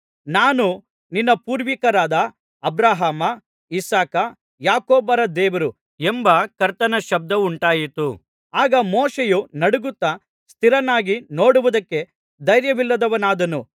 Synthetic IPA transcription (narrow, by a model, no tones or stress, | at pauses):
naːnu | ninːɐpuːɾʋikɐɾaːd̪ɐː | bɾaːɦaːmɐ | isaːkɐ | jaːkoːbɐɾɐd̪ɛːʋɐɾu | embɐkɐɾt̪ɐnɐʃɐb̚d̪ɐuɳʈaːjit̪u | aːɡɐmɔːʃejunɐɽuɡut̪ːɐ | st̪ʰiɾɐnːaːɡino̞ːɽuʋud̪ɐkːe̞ | d̪ɐjɾjɐʋilːɐd̪ɐʋɐnaːd̪ɐnu